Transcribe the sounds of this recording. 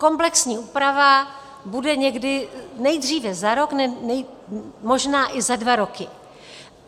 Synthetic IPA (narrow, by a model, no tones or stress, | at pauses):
ko̞mplɛksɲiːʔuːpɾava | budɛɲɛɡdɪnɛjdr̝iːvɛzaɾo̞knɛnɛmo̞ʒnaːʔɪzadvaɾo̞kɪ